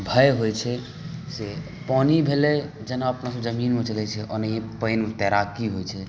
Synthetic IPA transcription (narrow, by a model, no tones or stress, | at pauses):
bʱəjɦojt͡ʃʰɛ | se | pɔnibʱelɛ | d͡ʒənaəpnasɔ̃d͡ʒəminmet͡ʃəlɛt͡ʃʰɛʔɔ̰nəẽpəjnmt̪ɛɾakiɦojt͡ʃʰɛ